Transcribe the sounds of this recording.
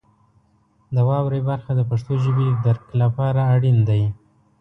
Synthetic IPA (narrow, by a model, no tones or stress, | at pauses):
d̪əwɑwɾebaɾxad̪əpaʂt̪oʒəbed̪aɾklapɑɾaːɽind̪aj